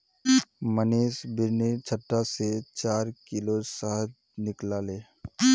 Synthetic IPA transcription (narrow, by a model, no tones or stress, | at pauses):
məneːsbɪɾnit͡ʃʰəʈːaset͡ʃaːɾkɪlosaɦəd͡ʒ | nɪklaːleː